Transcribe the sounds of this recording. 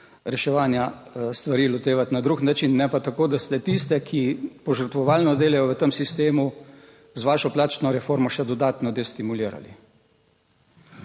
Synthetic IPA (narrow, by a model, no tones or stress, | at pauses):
ɾɛʃɛʋaːnjast̪ʋaɾiːlɔt̪eːʋat̪nad̪ɾuxnat͡ʃinːɛpat̪akoːd̪ast̪ɛt̪ist̪ɛkʰipɔʒəɾt̪ʋɔʋaːlnɔd̪eːlɛjɔʋət̪əmsist̪eːmu | zʋaːʃɔplaːt͡ʃnɔɾɛfoɾmɔʃɛd̪ɔd̪aːt̪nɔd̪ɛst̪imuliːɾa̰lḭ